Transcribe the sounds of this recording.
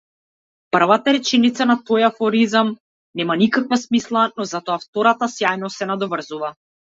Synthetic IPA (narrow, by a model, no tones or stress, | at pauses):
pr̩vat̪aɾɛt͡ʃɛnit̪sanat̪ɔjafɔɾizam | nɛmanikakvasmislˠanɔzat̪ɔaft̪ɔɾat̪asjajnɔsɛnad̪ɔvr̩zuva